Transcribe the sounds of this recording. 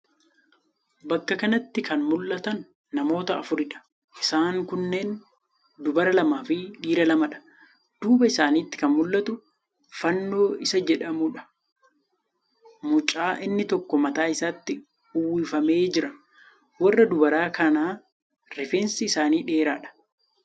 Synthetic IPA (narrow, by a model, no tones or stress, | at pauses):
bɐkːɐkɐnɐt̪ːɪkɐnmʊlːɐt̪ɐnː | ɐmo̞ːt̪ɐɐfʊɾɪᶑɐ̥ | ʔɪsaːŋkʊnːe̞ːn | d̪ʊbɐɾɐlɐmaːfɪᶑiːɾɐlɐmɐᶑɐ̥ | d̪̥uːbɐɪsaːniːt̪ːɪ̥kɐnmʊlːɐt̪ʊ | fɐnːo̞ːʔɪsɐd͡ʒɛᶑɐmuːᶑɐ̥ | mʊt͡ʃʼaːʔɪnːɪt̪ɔkːɔmɐt̪aːɪsaːt̪ːɪ | ʊwːiːfɐme̞ːd͡ʒɪɾɐ | wɐrːɐd̪ʊbɐɾaːkʰɐnaː | ɾɪfeːnsɪːsaːniːᶑe̞ːɾaːᶑɐ̥